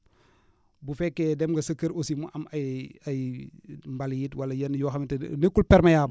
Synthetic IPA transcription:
bufɛkːedɛmɡɐsəkːəɾosimuʔɐmɐjɐjmbaljitwɐlɐjɐnjɔxɐmitnekːulpɛɾmɐjaːbɐ

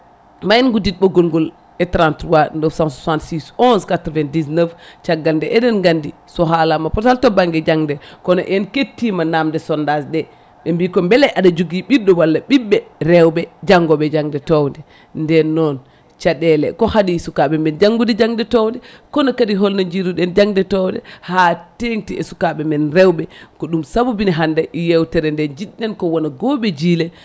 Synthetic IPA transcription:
majɛnɡudit̚boɡolɡol | ɛtɾantɾuwanəfsãnsusantsisɔ̃nskatɾvɛn̚disnəft͡ʃaɡandɛʔɛdɛnɡandi | sɔɦalamapɔɾtaltobaŋɡɛd͡ʒaŋdɛkɔno̰ʔɛnketːimanamdɛsɔndasɗɛ | ɓembikombɛlɛʔadad͡ʒuɡiɓidːɔwalːaɓiɓːɛɾɛwbɛd͡ʒaŋɡɔɓɛd͡ʒaŋdɛtɔwndɛ | ndɛnːɔn | t͡ʃaɗɛlɛkɔhadisukaɓɛmɛnd͡ʒaŋɡudɛd͡ʒaŋdɛtɔwndɛkɔnɔkadiɦɔlnaɲd͡ʒiɾuɗɛnd͡ʒaŋdɛtɔwdɛhateŋtiɛsu̥kaɓɛmɛnɾɛwɓɛkɔɗumsabubiniɦandɛʔjɛwtɛɾɛndɛnd͡ʒiɗːɛnkɔwɔnaɡɔɓɛd͡ʒilɛ

